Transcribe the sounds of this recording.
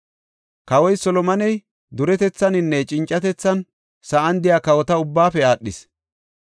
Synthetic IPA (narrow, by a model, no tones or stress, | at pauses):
kɐwɔjsɔlɔmɐnɛj | d̪ʊɾɛt̪ɛt͡sːɐnɪnːɛt͡ʃʼɪnt͡ʃʼːɐt̪ɛt͡sːɐn | sɐɐnd̪ɪjaːkɐwɔt̪ɐʊbːaːfɛaːɗːɪs